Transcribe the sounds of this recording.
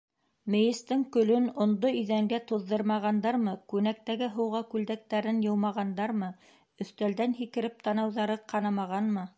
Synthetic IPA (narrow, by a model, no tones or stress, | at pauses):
mɘ̆jɘ̆st̪ɘŋkɵ̆lɵnŏnd̪oɵ̆ðæŋɡæt̪oðːɤɾmɑʁɑnd̪ɑɾmɤkʉnæk̚t̪æɡɘɦɤ̆wʁɑkʉld̪æk̚t̪æɾɘnjɤ̆wmɑʁɑnd̪ɑɾmɤ | ɵ̆θt̪æld̪ænɦikɘ̆ɾɘp̚t̪ɑnɑwðɑɾɤqʰɑnɑmɑʁɑnmɤ